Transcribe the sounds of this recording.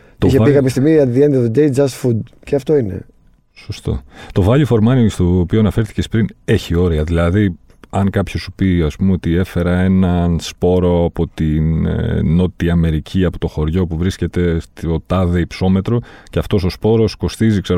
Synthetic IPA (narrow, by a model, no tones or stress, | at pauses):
t̪oiçeikɐpçest̪iɣmiɐt̪iðiend̪iɐðd̪ejd͡zɐsfud̪ceɐft̪o̞ine̞̰ | so̞st̪o̞̰t̪o̞vɐʎifo̞ɾmɐnist̪opio̞ɐnɐfe̞ɾθi̥ce̞spɾine̞çio̞ɾiɐðilɐði | ɐŋkɐpçosupiɐspumeo̞t̪ie̞fe̞ɾɐe̞nɐnspo̞ɾo̞ɐpo̞t̪inno̞t̪iɐme̞ɾicʰiɐpo̞t̪o̞xo̞ɾʝo̞puvɾisce̞t̪e̞st̪ot̪ɐðeipso̞me̞t̪ɾo̞ceɐft̪o̞so̞spo̞ɾo̞sko̞st̪izikse